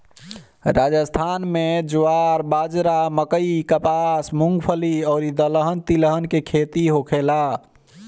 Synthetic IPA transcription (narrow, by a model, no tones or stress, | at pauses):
ɾad͡ʒəst̪ʰanmed͡ʒuaɾbad͡ʒɾaməkəikəpasmuŋɡpʰəliɔːɾid̪ələɦənt̪iləɦənkekʰet̪iɦokʰela